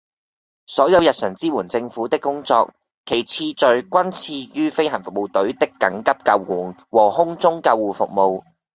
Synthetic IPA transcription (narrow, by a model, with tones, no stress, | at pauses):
sɔː˨˥jɐ˨˧wjɐ˨t̚sœː˨˩ŋt͡siː˥muː˨˩nt͡sɪ˧ŋfuː˨˥t̪ɪ˥kːʊ˥ŋt͡sɔ̰ː˧k | kʰːe˨˩jt͡sʰiː˧t͡sɵ˨ɥkʷɐ˥nt͡sʰiː˧jyː˥fe˥jhɐ˨˩nfʊ˨k̚mo˨˧wt̪ɵ˨˥ɥt̪ɪ˥kːɐ˨˥ŋkɐ˥p̚kɐ˧wwuː˨˩nwɔː˨˩hʊ˥ŋt͡sʊ˥ŋkɐ˧wwuː˨˩fʊ̰˨k̚mo˨˧w